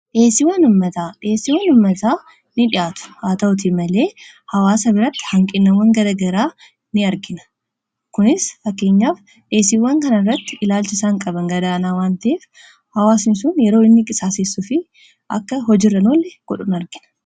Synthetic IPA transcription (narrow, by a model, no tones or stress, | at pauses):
ᶑeːsɪwːɐnʊmːɐt̪aːᶑeːsɪwɐnʊmːɐt̪aː | nɪᶑɪʔaːt̪ʊ̥haːt̪ɐʔʊt̪̬imɐle̞ː | hɐwaːsɐbɪɾɐt̪ːɪ̥hɐŋkʼɪnːɐwːɐŋɡɐd̪ɐɡɐɾaː | nɪɐɾɡɪnɐ̥ | kʊnɪsfɐkːe̞ːɲːaːf | ᶑe̞ːsɪwːɐŋkɐnɐɪrːɐt̪ːɪɪlaːlt͡ʃɪsaːŋkʼɐbɐŋɡɐd̪aːnaːwaːnt̪ɐeːf | hɐwaːsnɪs̬ʊnjɛɾoːɪnːɪkʼɪsaːsɪsːʊfɪ | ʔɐ̰kːɐɦɔd͡ʒiːrːɐnoːlːɛɡ̥ɔᶑʊnɐɾɡɪnɐ̥